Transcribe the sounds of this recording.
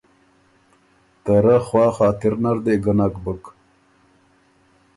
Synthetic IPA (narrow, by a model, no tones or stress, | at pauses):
t̪ɐɾaxwɑːxaːt̪iɾnaɾd̪eɡənakbək